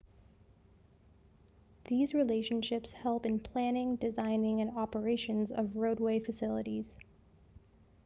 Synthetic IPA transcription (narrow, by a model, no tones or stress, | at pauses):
ðizɹileɪʃɨ̃n̩ʃɪpshɛlˠpɨ̃npʰl̥æ̃nɪ̃ŋdɨzãɪ̃nɪ̃ŋɨ̃nɑpə˞eɪʃɨ̃nzʌ̰vɹoʊd̚weɪfɨsɪlˠəɾiz̥